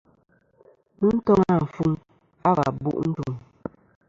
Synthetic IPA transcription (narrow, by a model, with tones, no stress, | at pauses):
mɨ˦n̩˦tɔ˦ŋa˦˨ɱ̩˨fu˦ŋ | a˦ba̰˨bṵ˦˨ʔn̩˦du˨ŋ